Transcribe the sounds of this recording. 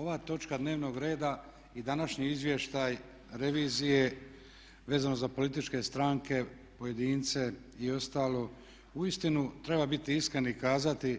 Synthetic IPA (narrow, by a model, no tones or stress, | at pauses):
o̞ʋaːt̪o̞t͡ʃkad̪ne̞ːʋno̞ːɡɾe̞ːd̪a | id̪anaʃɲiizʋje̞ʃt̪aj | ɾe̞ʋiːzije̞ | ʋe̞ːzano̞zapo̞lit̪̬it͡ʃke̞st̪ɾaːŋke̞ | po̞je̞d̪iːnt̪se̞ | io̞st̪aːlo̞ | uist̪inut̪ɾe̞babit̪iiskɾe̞naikaːzat̪i